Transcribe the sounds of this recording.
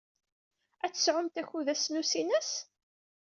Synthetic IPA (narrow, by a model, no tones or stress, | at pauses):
æt͡sːə̥sʕʊmt̪æçuðæsnusinəs